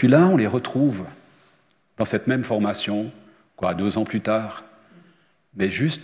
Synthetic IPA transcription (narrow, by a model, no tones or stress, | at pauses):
pɥilaɔ̃leʁət̪χuv | d̪̥ɑ̃sɛt̪mɛmfɔʁmasjɔ̃ | kwad̪øzɑ̃plyt̪aːʁ | mɛʒyst̪